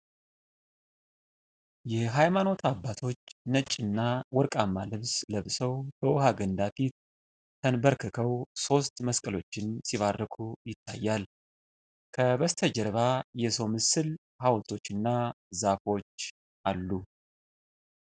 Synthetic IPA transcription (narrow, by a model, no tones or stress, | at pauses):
jɛɦajmano̞t̪ʰabːat̪ʰo̞t͡ʃːnət͡ʃʼːɨnːawɔɾkʼamːalɨβsləβsəwbəwɔhaɡənd̪afit̪̚ːʰ | ənbəɾkʰɨkʰəwso̞st̪məskʼəlo̞t͡ʃːɪnsiβarːəkʰujɪt̪ʰːa̰jːal | kʰəβəst̪ʰəd͡ʒɛɾβajɛso̞mɨsɨl | hawlt̪ʰʼo̞t͡ʃːɪnːa | zafo̞t͡ʃː | ʔalːu